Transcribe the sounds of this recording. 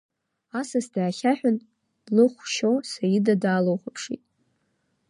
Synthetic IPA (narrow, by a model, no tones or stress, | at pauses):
asasdaːχʲaħᶣʊn | lɨχʷʃosajidadaːlowχʷʊpʰʂḭtʼ